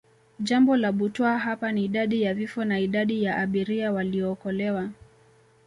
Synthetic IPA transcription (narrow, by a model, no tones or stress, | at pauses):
ʄambɔlaɓutɔaɦapaniːɗaɗijavifɔnaiɗaɗijaʔaɓiɾiawaliɔːkɔlɛwa